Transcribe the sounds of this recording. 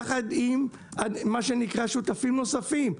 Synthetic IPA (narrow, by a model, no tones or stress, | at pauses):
χad̪im | ad̪ːaʃe̞nikʁaʃut̪afimno̞safim